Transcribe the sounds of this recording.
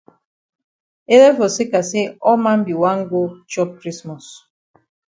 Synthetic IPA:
e˦ɾe˦fɔ˨se˦ka˨se˦ɔ˦ma˦m̩˦bi˨wa˦ŋ̩˦ɡo˦t͡ʃɔ˦p̚kɾi˦smɔ˨s

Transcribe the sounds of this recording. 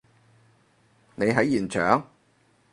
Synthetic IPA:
ne˨˧jɦɐ˨˥jːiː˨˩nt͡ʃʰœː˨˥ŋ

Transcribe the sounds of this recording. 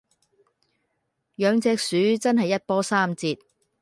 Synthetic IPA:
jœː˨˧ŋt͡sɛː˧k̚syː˨˥t͡sɐ˥nɦɐ˨jːɐ˥t̚pɔː˥saː˥mt͡siː˧t̚

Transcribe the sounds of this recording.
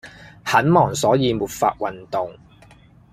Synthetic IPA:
hɐ˨˥nmɔː˨˩ŋsɔː˨˥jiː˨˧muː˨t̚fa̰ː˧t̚wɐ˨nt̪ʊ˨ŋ

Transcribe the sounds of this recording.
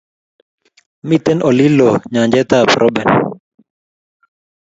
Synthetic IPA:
mit̪ɛnɔ˨li˦lɔɲa˨ɲd͡ʒɛt̪apɾʔɔ˦bɛ˨n

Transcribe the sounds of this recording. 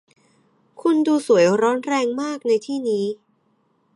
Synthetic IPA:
kʰu˧nduː˧su˩˦ə˦jɾɔː˦˥nɾɛː˧ŋmaː˥˩k̚na˧jt̪ʰiː˥˩niː˦˥

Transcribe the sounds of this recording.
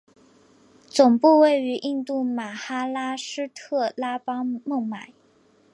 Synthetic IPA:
t͡sʊ˨˩ŋpu˥˧we˥˩˧ɪy˧˥ʔi˥˧nt̪u˥˩ma˨˩xa˥la˥ʂɻ̩˥t̪ʰɤ˥˩la˥pɑ˥ŋmʊ˥˩ŋma˨˩˦ɪ

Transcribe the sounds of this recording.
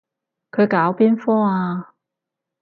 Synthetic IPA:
kʰɵ˨˧ɥkaː˨˥wpiː˥nfɔː˥aː˧

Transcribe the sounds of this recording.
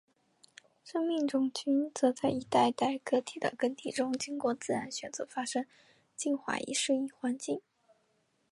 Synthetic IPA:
ʂɤ˥ŋmi˥˩ŋʈ͡ʂʊ˥˩ŋt͡ɕy˥nt͡sɤ˧˥t͡sa˥˩ɪi˧˥t̪a˥˧ɪt̪a˥˩ɪkɤ˥t̪ʰi˨˩d̪ə̰˧˩kə˥nt̪i˥˩ʈ͡ʂʊ˥ŋt͡ɕi˥ŋkwɔ˥˧t͡sɹ̩˥˩ɻa˧˥nɕɥɛ˨˩nt͡sɤ˧˥fa˥ʂɤ˥ŋ | t͡ɕi˥˧nxwa̰˥˩ḭ˧˥ʂɻ̩˥˧i˥˩xwa˧˥nt͡ɕi˥˩ŋ

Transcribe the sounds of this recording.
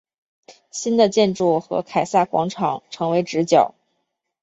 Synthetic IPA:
ɕi˥nd̪ə˨t͡ɕjɛ˥˧nʈ͡ʂu˥˩xɤ̰˧˥kʰa˨˩ɪsa˥˩kwɑ̰˧˥ŋʈ͡ʂʰɑ˨˩˦ŋʈ͡ʂʰɤ˧˥ŋwe˧˥ɪʈ͡ʂɻ̩˧˥t͡ɕjɑ˨˩˦ʊ

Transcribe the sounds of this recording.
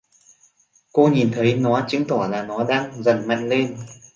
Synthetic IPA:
ko˧ɲi˨˩nt̪ʰə˨˦jnɔ˨˦t͡ɕɨ˨˦ŋt̪ʰɔ˧˩laː˨˩nɔ˨˦ɗaː˧ŋzə˨˩nma̰˧˨ŋ̟le˧n

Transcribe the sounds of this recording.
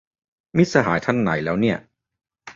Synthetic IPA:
mi˦˥sa˧ɦa̰ː˩˦jt̪ʰa˧˨nːa̰˩˦jlɛː˦˥wni˥˩ɐ

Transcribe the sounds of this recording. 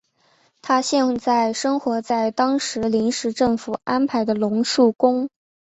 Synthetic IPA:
t̪ʰa˥ɕjɛ˥˧nt͡sa˥˩ɪʂɤ˥ŋxwɔ˧˥t͡sa˥˩ɪt̪ɑ˥ŋʂɻ̩˧˥li˧˥nʂɻ̩˧˥ʈ͡ʂɤ˥˩ŋfu˨˩a˥npʰa˨˧˥ɪd̪ə˧lʊ˧˥ŋʂu˥˩kʊ˥ŋ

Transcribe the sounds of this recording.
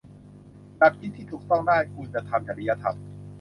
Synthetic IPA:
na˦˥k̚kʰi˦˥t̪ʰːiː˥˩t̪ʰuː˨˩k̚t̪ɔ˥˩ŋdaː˥˩jkʰuː˧nt͡ɕa˧t̪ʰa˧mt͡ɕa˨˩li˦ja˧t̪ʰa̰˧m

